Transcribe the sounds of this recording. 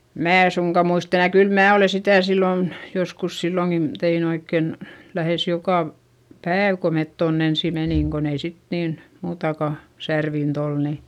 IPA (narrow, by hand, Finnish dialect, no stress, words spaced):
mæː e suŋkɑ muist enæ kyl mæː oleˑ sitæˑ silːoˑn joskus silːoŋkin tein oikːen læheˑs jokɑ ʋ pæːʋ ko met tonː ensi meniˑŋ kon ei sit niːn muːtɑkɑ særʋint ol ni